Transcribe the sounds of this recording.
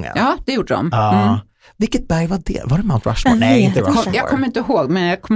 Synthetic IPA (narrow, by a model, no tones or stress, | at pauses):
ŋə̰ɑːd̪ɛjuːɖəɖɔ̰mɑ | vɪlkːət̪̚bæɾjvaɖɛ̰vaɾɛmãʊnt̪ɾa̰ʃmɔ̰nɛɪnt̪əɔjɑːɡkʰɔmːɾɪnt̪əɔɦoːɡ̚mɛnjɑːɡ̚kʰɔmː